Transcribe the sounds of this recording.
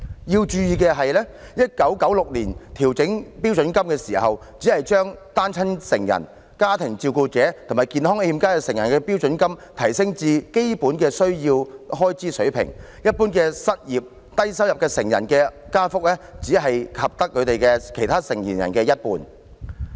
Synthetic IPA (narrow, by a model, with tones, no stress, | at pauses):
jiː˧wt͡ʃyː˧jiː˨˧kɛː˧ɦɐ˨jlɛː˥ | jɐ˥t̚kɐ˨˥wkɐ˨˥wlʊ˨k̚liː˨˩nt̪ʰiː˨˩wt͡sɪ˨˥ŋpiː˥wt͡ʃɵ˨˥nkɐ˥mkɛː˧siː˨˩ɦɐ˨w | t͡siː˨˥hɐ˨jt͡ʃœː˥ŋt̪aː˥nt͡sʰɐ˥nsɪ˨˩ŋjɐ̰˨˩n | kaː˥t̪ʰɪ˨˩ŋt͡siː˧wkuː˧t͡sɛː˨˥t̪ʰo˨˩maː˨˩jkiː˨nɦɔː˥ŋe˧hi˧mkaː˥kɛ˧sɪ˨˩ŋjɐ˨˩nkɛː˧pi˥wt͡ʃɵ˨˥nkɐ˥mt̪ʰɐ˨˩jsɪ˥ŋt͡siː˧ke˥jpuː˨˥nkɛː˧sɵ˥ɥjiː˧wɦɔː˥jt͡siː˥sɵ˨˥ɥpʰɪ̰˨˩ŋ | jɐ˥t̚puː˥nkɛː˧sɐ˥t̚jiː˨p̚ | t̪ɐ˥jsɐ˥wjɐ˨p̚kɛː˧sɪ˨˩ŋjɐ̰˨˩nkɛː˧kaː˥fʊ˥k̚lɛ˥t͡siː˨˥ɦɐ˨jkʰɐ˨p̚t̪ɐ˥kʰːɵ˨˧t̪e˨jkɛː˧kʰe˨˩jt̪ʰaː˥sɪ˨˩ŋjiː˨˩njɐ̰˨˩nkɛː˧jɐ˥t̚puː˨n